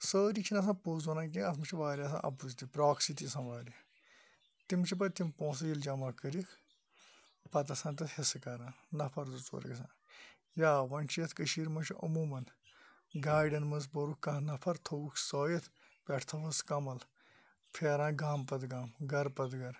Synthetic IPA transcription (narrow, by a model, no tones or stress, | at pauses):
səːɾit͡ʃʰinɐs̬ãːpoːzɐnãːnk̬iɐt̪ʰmɐt͡ʃʰiʋaːɾijaːs̬ã̰ːʔɐ̰p̬uzt̪ipɾaːksit̪isãːʋaːɾʲja | t̪imt͡ʃʰip̬ɐt̪impõːs̬ɐjild͡ʒɐmakəɾikʰ | pɐt̪̬ɐsãːnt̪̬ɐt̪hesɨkɐɾãːnɐpʰɐɾd̪ut͡so̰ːɾḭkɐsã̰ː | jaːʋɐnʲt͡ʃʰijɐt̪ʰkəʃiːɾmɐnt͡ʃʰiʔɐ̰muːmɐn | ɡaːjɖɐnmɐz̬bɐɾukkɐ̃ɦnɐpʰɐɾt̪ʰowukʰsoːjit̪ʰ | pʲɛʈʰt̪ʰɐʋɐskɐmɐl | pʰeːɾãːnɡaːmpɐt̪ɡaːmɡɐɾpɐd̪ɡɐɾ